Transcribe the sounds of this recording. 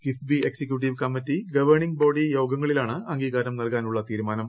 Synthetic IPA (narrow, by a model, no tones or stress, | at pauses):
ɡ̥ifbieksekjuʈ̬iʋkɐmːitːiɡɐʋɐrɳiŋɡ̚bo̞ːɖijo̞ːɡɐŋːɐɭilaːɳɨɐŋɡiːɣaːɾɐmnɐlkaːnuɭːɐt̪iːɾumaːnɐm